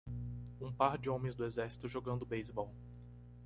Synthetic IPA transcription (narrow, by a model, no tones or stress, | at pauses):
ũpaɾd͡ʒɪõmẽj̃zd̪ʊezɛɾsi̥t̪ʊʒoɡɐ̃nd̪ʊbejzbɔw